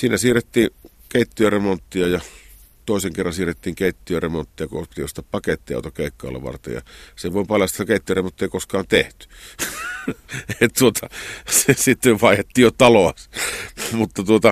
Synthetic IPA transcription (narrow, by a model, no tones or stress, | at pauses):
siːnæsiːrˑet̪ːiːn | keˑit̪ːiøremont̪ːiɑjɑ | t̪oˑeseŋkerːɑnsiːrˑet̪ːiːŋkeˑit̪ːiøremont̪ːiɑkupit̪iost̪ːɑppɑket̪ːiɑ̰ˑot̪ɑkkeˑikːɑ̰ːˑlːɑ̰ʋɑ̰rt̪ḛjɑ̰seʋoˑpɑljɑst̪ːt̪ːækeˑit̪ːijøremont̪ːiˑeikoskˑɑːnt̪eht̪y̥ | t̪uot̪ʰɑsesit̪ːeʋʋɑˑehet̪ːiːjjot̪ɑloɑs | mut̪ːɑt̪uot̪ɑ